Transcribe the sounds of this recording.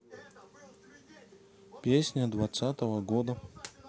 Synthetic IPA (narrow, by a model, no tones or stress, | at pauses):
pʲesʲnʲəd̪vat̪sat̪əvəɡod̪ə